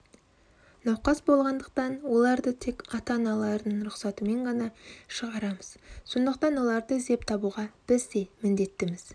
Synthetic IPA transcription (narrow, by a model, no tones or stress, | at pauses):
nɑwqɑsbo̞lˠʁɑnd̪əq̚t̪ɑnwo̞lˠɑɾd̪ət̪ʰe̞kɑt̪ɑnɑlˠɑɾəd̪əɴɾʊqsɑt̪əme̞ɴʁɑnɑʃəʁɑɾɑməz̥so̞nd̪əq̚t̪ɑnwo̞lˠɑɾd̪əɪzd̪e̞p̚t̪ʰɑbuʁɑb̥ɪzd̪e̞mɪnd̪e̞t̪ːɪmɪz̥